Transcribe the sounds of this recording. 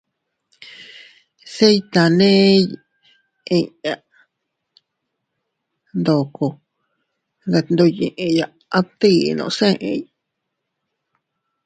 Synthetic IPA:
se˦jt̪a˨nẽ˦ | ĩ˧ɲa˧ | nd̪o˨ko˧ | ðe˧nd̪o˧jĩ˧˨ʔẽ˧ja˧ | a˦t̪i˦˧nõ̰˧˨˧sẽ˦˧ʔḛ̃˧j

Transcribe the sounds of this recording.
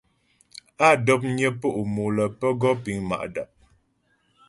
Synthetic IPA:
a˦˨dɔ˦p̬̚ɲə˦po˦ʔu˨mo˨lə˨pə˦ɡɔ˦pi˨˦ŋma̰˨ʔda̰˨p̚

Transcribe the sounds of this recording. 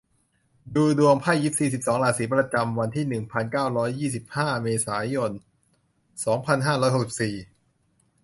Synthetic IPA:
duː˧du˧əŋpʰa˥˩jːi˦˥p̚siː˨˩si˨˩p̚sɔː˩˦ŋlaː˧˩siː˩˦˥pɾa˧t͡ɕa˧mwa˧nt̪ʰiː˥˩nɯ˨˩ŋpʰa˧nkaː˥˩wɾɔː˦˥jːiː˥˩si˨˩p̚haː˥˩meː˧saː˩˦jo˧n | sɔː˩˦ŋpʰa˧nɦaː˥˩ɾɔː˦˥jho˨˩ksi˨˩p̚siː˨˩

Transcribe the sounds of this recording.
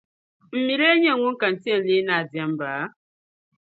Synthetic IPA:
m̩˨mi˨ɾe˦ɲe˦˨ŋʷu˦ŋ̩˦ka˨n̩˨ti˦e˦˨n̩˨li˦na˨dja˦m̩˦baː˨˦

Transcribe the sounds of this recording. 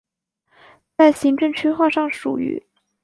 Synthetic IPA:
t͡sa˥˩ɪɕi˧˥ŋʈ͡ʂɤ˥˧ŋt͡ɕʰy˥xwa˥˧ʂɑ˥˩ŋʂṵ˨˩y̰˧˥

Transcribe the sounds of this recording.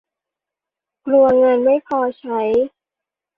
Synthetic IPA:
klu˧ɐŋaː˧nma˥˩jkʰɔː˧t͡ɕʰa˦˥j

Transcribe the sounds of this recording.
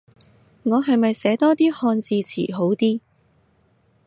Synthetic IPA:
ŋɔː˨˧ɦɐ˨jmɐ˨jsɛː˨˥t̪ɔː˥t̪iː˥hɔː˧nt͡siː˧t͡sʰḭː˨˩ɦo˨˥wt̪iː˥

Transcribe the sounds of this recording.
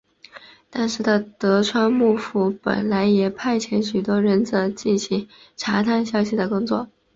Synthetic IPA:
t̪a˥˧nʂɻ̩˥˩d̪ə˩t̪ɤ˧˥ʈ͡ʂʰwa˥nmu˥˩fu˧˩pə̰˨˩nla˧˥ɪjɛ˨˩pʰa˥˩ɪt͡ɕʰjɛ˧˥nɕy˨˩t̪wɔ˥ɻə˧˥nt͡sə˧˥t͡ɕi˥˩nɕi˧˥ŋ | ʈ͡ʂʰa˧˥t̪ʰa˥˩nɕ̬jɑ˥˧ʊɕi˧˥˩d̪ə˩kʊ˥ŋt͡swɔ̰˥˩

